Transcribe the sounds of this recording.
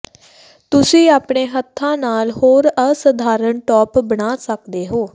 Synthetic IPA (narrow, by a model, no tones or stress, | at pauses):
t̪ʊsĩːaːpɳeːɦət̪ʰːãːnaːlɦoːɾəsəd̪ʱaːɾəɳʈɔːpbəɽaːsəkd̪eːɦoː